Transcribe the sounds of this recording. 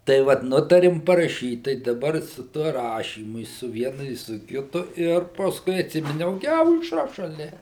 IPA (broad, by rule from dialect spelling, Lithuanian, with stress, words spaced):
tɐɪ ˈʋɐt ˈnʊtɐrʲɪm pɐrɐˈʃʲiːt tɐɪ dɐˈbɐr sʊ ˈtuɔ ˈrɑːʃʲiːmʊ ɪ sʊ ˈʋʲiɛnʊ ɪ sʊ ˈkʲɪtʊ ˈɪr pɐsˈkʊɪ ɐtʲˈsʲɪmʲɪnʲɛʊ ˈɡʲɪ ɐʊʃˈrɐ ʃɐˈlʲɛ